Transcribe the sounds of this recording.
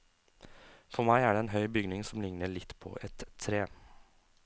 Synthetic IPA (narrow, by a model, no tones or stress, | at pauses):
fɔɾmæɪæːɖeːeːnɦœʏbʏɡnɪŋsɔmlɪŋnəɭɪt̪ːpʰo̰ːʔɛt̪ʰːɾeː